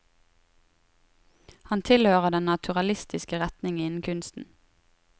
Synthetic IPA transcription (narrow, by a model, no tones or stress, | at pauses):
hɑnt̪ʰɪlhøːʁəd̪ɛnnɑt̪ʰʉʁɑlɪst̪ɪskəʁɛt̪nɪŋɪnn̩kʰʉnst̪n̩